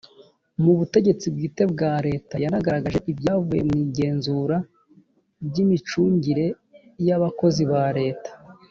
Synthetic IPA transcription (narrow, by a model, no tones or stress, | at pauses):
muβute̞ɟe̞t͡sib̚ɡiːte̞b̚ɡaːɾe̞ːtajanaɡaɾaɡaʒe̞ʔibjaːvuje̞̰mŋiːɟe̞ːnzuːɾa | bɟimit͡ʃuːɲɟiɾe̞ | jaβako̞ziβaɾe̞ːtḁ